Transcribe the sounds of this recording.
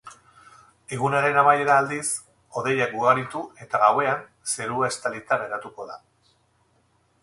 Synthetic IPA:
eɣ̞unaɾe̞namaje̞ɾaːld̪is | o̞ðe̞jak̚ɡuɣaɾit̪ue̞t̪aɣawe̞an | se̞ɾuaest̪alit̪ane̞ɾat̪uko̞ða

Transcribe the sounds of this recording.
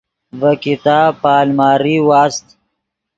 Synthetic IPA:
vɐkit̪aːpaːlmaːɾiwaːst̪

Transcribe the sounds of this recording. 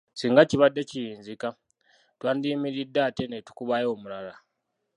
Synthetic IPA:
siːŋɡaciβadːe̞cijiːnzika | twaːndiːmiɾidːaːtenetu̥kuβajo̞ːmulala

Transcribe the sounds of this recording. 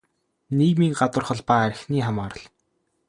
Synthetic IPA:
nekmiŋɢat̪ə̆rχə̆ɮpaːæɾʲɪ̆xniːχamaːɾə̆ɮ

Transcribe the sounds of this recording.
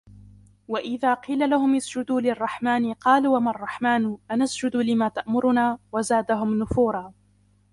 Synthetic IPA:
waʔɪðaːqiːlalahʊmʔɪsd͡ʒʊd̪uːlɪrˤːɑħmaːnɪqɑːluːamarˤːɑħmaːnʔanasd͡ʒʊd̪ulɪmaːt̪aʔmʊɾʊnaːwazaːd̪aɦʊmnʊfuːɾˤɑː

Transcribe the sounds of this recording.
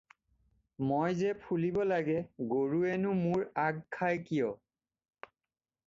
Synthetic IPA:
mojzɛpʰulibɔlaɡɛɡoɹuenʊmuɹaɡkʰajkijɔ

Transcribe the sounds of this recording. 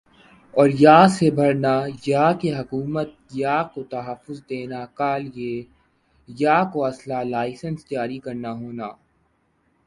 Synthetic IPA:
ɔːɾjaːsebʱɐɾnajaːkeɦɐkuːmət̪̚ | jaːkot̪ɐɦəfːʊzd̪eːnakaːlje | jaːkoɐslalaːɪsənst̪jaːɾikɐɾnaɦoːnaː

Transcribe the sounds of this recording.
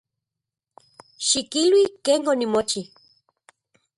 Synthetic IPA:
ʃikilwikeːnonimot͡ʃi

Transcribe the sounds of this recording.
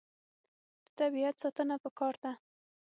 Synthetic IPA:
d̪̥ə̥t̪abiat̪sɑt̪ənapəkɑɾd̪a

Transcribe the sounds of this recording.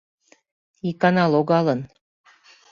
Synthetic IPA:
ikɑnɑloɣɑlən

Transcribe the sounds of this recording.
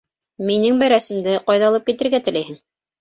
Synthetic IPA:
minɘŋbæɾæsɘ̆md̪ɘqɑjðɑlˠɤp̚kit̪ɘ̆ɾɡæt̪ɘ̆læjhɘŋ

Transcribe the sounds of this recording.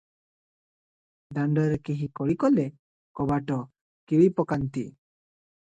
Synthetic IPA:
ɖaɳɖɔɾɛkiɦikɔɽikɔle | kɔbaʈɔ | kiɭipɔkant̪i

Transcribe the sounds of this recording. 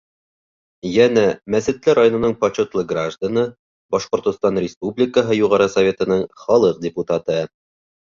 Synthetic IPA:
jænæmæsɘ̆t̪lɘɾajonŏnɤɴpɐt͡ɕot̪lˠɤɡraʒd̪anɤ | bɒʃqŏɾt̪ŏst̪ɑnrʲɪspublʲɪkəɦɤjuʁɑɾɤsɐvʲe̞t̪ɤ̆nɤɴχɒlˠɤq̚dʲɪput̪at̪ɤ

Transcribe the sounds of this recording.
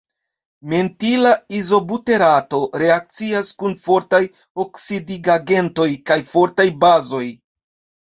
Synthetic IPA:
me̞ntilaizo̞bute̞ɾato̞ɾe̞ak̚t͡siaskunfo̞ɾtaj | o̞ksidiɡaɡe̞nto̞jkajfo̞ɾtajbazo̞j

